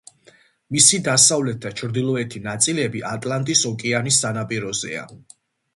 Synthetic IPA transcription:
misid̪asavlɛt̪̚d̪at͡ʃʰɾd̪ilˠɔɛt̪ʰinat̪sʼilɛbiʔat̪ʼlant̪ʼisɔkʼɛanisːanapʼiɾɔzɛ̰a̰

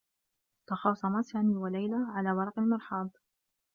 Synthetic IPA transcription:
t̪ɑxɑːsˤɑmasaːniːwalajlaʕalaːwɑɾˤɑqalmɑɾˤħɑːd̪ˤ

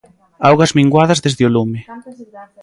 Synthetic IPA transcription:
awɣɐzmiŋɡwaðɐzðezðɪolumɪ

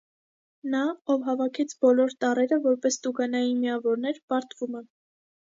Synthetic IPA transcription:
nɑɔvɦɑvɑkʰɛt͡sʰbɔlɔɾt̪ɑrɛɾəvɔɾpɛst̪uɡɑnɑjinmiɑvɔɾnɛɾpɑɾt̪vumɛ

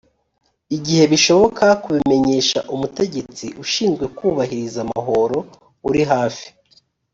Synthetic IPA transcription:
iɟihe̞βiʃo̞βo̞kʰakuβimeɲe̞ːʃa̰ʔumute̞ɟe̞t͡siʔuʃiːnzɡwe̞kuːβaɦiɾizama̰ɦo̞ɾo̞ | uɾiɦaːfi̥

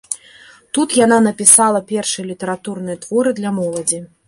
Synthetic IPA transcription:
t̪ut̪jananɐpʲisalˠɐpʲɛrʂɨjɐlʲit̪ɐɾat̪urnɨjɐt̪v̥ɔɾɨd̪lʲɐmɔlˠɐd͡zʲi

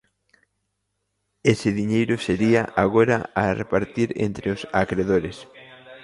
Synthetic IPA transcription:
esɪðiɲejɾʊseɾiaʔaɣoɾa̰arepaɾt̪iɾḛnt̪ɾeʊsakɾeðoɾes

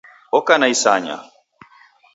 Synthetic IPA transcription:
ɔkanaisaːɲa̰

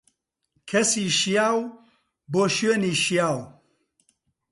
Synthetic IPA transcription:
kʰɐsiːʃjaːw | boːʃɥeːniːʃjaːw

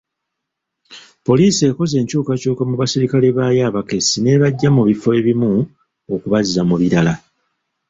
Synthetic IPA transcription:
po̞liːsie̞ːko̞ze̞ːɲcuːkacuːkamuβasiɾikaleβaːjaβake̞sine̞βaɟːamuβifo̞e̞βimu | okuβazizamuβiɾala

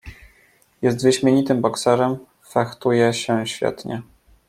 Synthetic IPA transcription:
jɛst̪vɘɕmʲjeɲit̪ɘmbɔksɛɾɛm | faxt̪ujɛɕɛɕfʲjɛ̰t̪ɲɛ

